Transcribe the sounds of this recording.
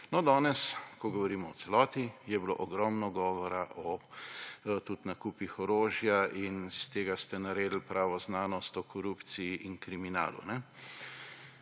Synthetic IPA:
nɔd̪ɔːnɛskɔɡɔʋɔɾiːmɔw̪sɛlɔːt̪ijɛblo̰ːʔɔɡɾɔmnɔɡɔːʋɔɾaʔɔ | t̪ut̪nakuːpixɔɾoːʒjainst̪eːɡast̪ɛnaɾeːd̪l̩pɾʔaʋɔznaːnɔst̪ɔkɔɾupt̪sijiʔinkɾimina̰ːlṵnɛ

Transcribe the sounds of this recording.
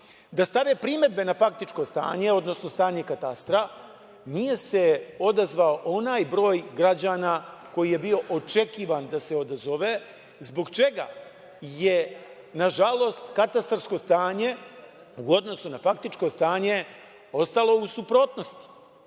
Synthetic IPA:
d̪ast̪aʋe̞pɾime̞d̪̚be̞nafak̚t̪it͡ʃko̞st̪a̰ːɲe̞o̞d̪no̞sno̞st̪aːɲe̞kat̪ast̪ɾa | nije̞se̞o̞d̪azʋao̞ʔo̞naːjbɾo̞ːjɡɾad͡ʑaːnako̞jije̞bio̞ʔot͡ʃe̞kiːʋand̪ase̞o̞d̪azo̞ʋe | zbo̞ɡt͡ʃe̞ɡa̰ | je | naʒalˠo̞st̪kat̪ast̪rsko̞st̪aːɲe̞ | uo̞d̪no̞sunafak̚t̪it͡ʃko̞st̪aːɲe̞ | o̞st̪alˠo̞usupɾo̞ːt̪no̞st̪i̥

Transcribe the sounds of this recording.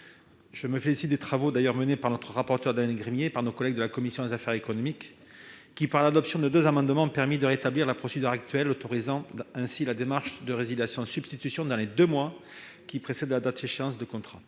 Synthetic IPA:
ʒ̥əməfelisit̪̚d̪et̪χavod̪ajœʁmənepaʁnɔt̪χəʁapɔʁt̪œʁd̪anɛlɡʁimjepaʁnokɔlɛɡ̚d̪əlakɔmisjɔ̃ezafɛʁekɔnɔmikː | ipaʁlad̪ɔpsjɔ̃d̪əd̪øzamɑ̃d̪mɑ̃ɔ̃pɛʁmid̪əʁet̪abliʁlapχɔsed̪yʁak̚t̪ɥɛlot̪oʁizɑ̃ɛ̃silad̪emaʁʃd̪əʁezid̪jasjɔ̃sybst̪it̪ysjɔ̃d̪ɑ̃led̪ømwa | kʲipχesɛd̪lad̪at̪eʃeɑ̃sd̪əkɔ̃t̪χa

